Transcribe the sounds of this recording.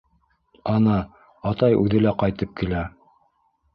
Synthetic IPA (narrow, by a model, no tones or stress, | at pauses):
ɑnɑ | ɑt̪ɑjʉðɘ̆læqɑjt̪ɤp̚kilæ